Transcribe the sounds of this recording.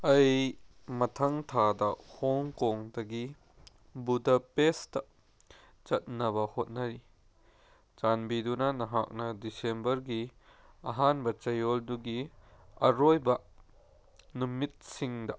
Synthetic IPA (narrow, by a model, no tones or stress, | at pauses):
ʔɐjmɐtʰɐŋtʰadɐhɔŋkɔŋdɐɡi | budɐpestɐʔ | t͡ʃɐt̚nɐβɐhot̚nɐɾi | t͡ʃanbidunɐnɐɦak̚nɐdisembɐɾɡiɐɦanbɐt͡ʃɐjɔlduɡiɐɾojbɐ | numit̪̚siŋdɐʔ